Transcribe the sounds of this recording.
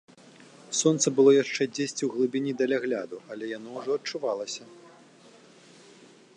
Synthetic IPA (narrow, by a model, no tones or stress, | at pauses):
sɔnt̪sɐbɨlˠɔjaʂt͡ʂɛd͡zʲesʲt͡sʲiwɣlˠɨbʲinʲid̪ɐlʲaɣlʲa̰d̪uɐlʲɛjan̪ɔwʐɔɐtt͡ʂuvalˠɐsʲɐ